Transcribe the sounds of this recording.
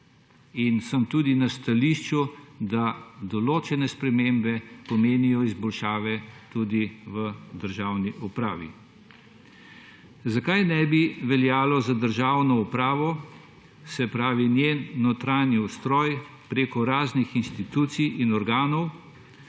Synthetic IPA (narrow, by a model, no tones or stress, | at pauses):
insəmt̪uːd̪inast̪aliʃt͡ʃud̪ad̪ɔloːt͡ʃɛnɛspɾɛmembɛpɔmeːnijɔizbɔlʃaːʋɛt̪ud̪iʋəd̪əɾʒawniʔupɾaːʋḭ | zakajnɛbiʋɛljaːlɔzad̪əɾʒaːwnɔupɾaːʋɔ | sɛpɾaːʋinjenːɔt̪ɾaːniust̪ɾɔːj | pɾeːkɔɾaːznixinst̪it̪uːt̪sijinɔɾɡaːnɔw